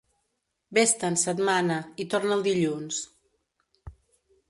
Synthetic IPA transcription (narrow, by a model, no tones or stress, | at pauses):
best̪ənsəd̪manəit̪oɾnəlˠd̪iʎuns